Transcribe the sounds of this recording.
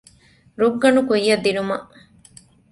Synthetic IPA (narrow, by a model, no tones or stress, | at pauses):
ɾuɡːɐɳukujːɐd̪ːinumɐʔ